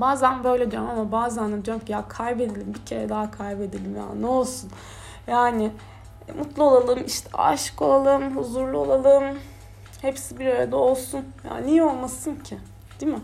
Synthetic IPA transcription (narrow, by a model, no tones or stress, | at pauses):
baːzænbø̞jlʲed̪ijoɾmamabaːzand̪ad̪ijoɾumcʰijakʰajbe̞d̪elʲimbicʰe̞ɾɛd̪aɦakʰajbe̞d̪elʲimja̰ːnɛo̞lˠsun | jaːnɪ | mut̪lˠuolˠalˠɯmiʃt̪ʰɛ̰a̰ʃɯ̥ko̞lˠalˠɯmɦuzuɾlˠuo̞lˠalˠɯm | hepsibiɾøɾed̪ɛo̞lˠsunja̰ːnijo̞lˠmasɯncʰɪ | d̪̥imɪ